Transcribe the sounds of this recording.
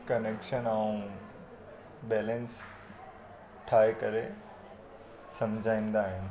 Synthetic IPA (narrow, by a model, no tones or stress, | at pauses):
kɐneːkʃənaːũ | bɛːlə̃ns | ʈʰaːekɐɾe | sɐmd͡ʑʱaːĩːn̆d̪aːɦɪnɪ̆